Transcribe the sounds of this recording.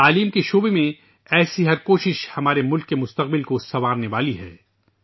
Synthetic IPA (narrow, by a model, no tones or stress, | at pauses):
t̪aːliːmkeʃoːbemẽ | ɛːsiɦɐɾkoːʃɪʃhɐmaːɾemʊlkːemʊst̪ɐq̚bɪlkosɐʋaːɾneʋaːliɦɛ̰ː